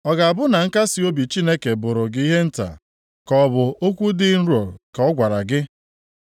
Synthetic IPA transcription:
ɔ˨ɡa˨a˨bʊ˦na˨ŋ̩˦ka˦si˦o˦bi˨t͡ʃi˦ne˦ke˨bʊ˨ɾʊ˨ɡɪ˦i˦ɦe˦n̩˦ta̰˨ | kɔ˦bʊ˨o˦kʷu˦dɪ˦n̩˦ɾo˨lka˨ɔ˦ɡʷa˨ɾa˨ɡɪ˦

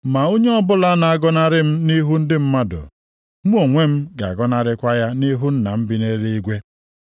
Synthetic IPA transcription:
ma˨o˦ɲe˦ɔ˦bʊ˦la˦na˨a˦˨ɡɔ˦na˦ɾɪ˦m̩˦ni˦ɦu˦n̩˦dɪ˦m̩˦ma˦dʊ̰˨ | mu˦o˨ŋʷe˦m̩˦ɡa̰˨ɡɔ˦na˦ɾɪ˦kʷa˦ja˦ni˦ɦu˦n̩˦na̰˨m̩˦bi˦ne˦ɾe˦i˦ɡʷe˦

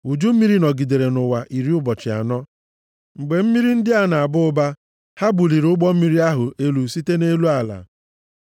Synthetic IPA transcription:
u˨d͡ʒu˦m̩˦i˦ɾi˦nɔ˨ɡi˨de˨ɾe˨nʊ˨wa˨ʔi˨ɾi˦ʊ˦bɔ˨t͡ʃɪ˨a̰˨nɔ˦ | ŋ͡m̩˨ɡ͡be˨m̩˦mi˦ɾi˦n̩˦dɪ˦a˦na˨a˨bʊ˦ʊ˦ba˦ | ha˦bu˨li˨ɾʊ˦ɡ͡bɔ˦m̩˦mi˦ɾi˦a˦ɦʊ˨e˦lu˨si˦te˦ne˦lu˦a˨la̰˨

